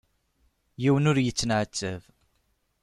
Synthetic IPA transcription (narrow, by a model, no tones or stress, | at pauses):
jiwənʊɾjət͡sːənʕət͡sːəv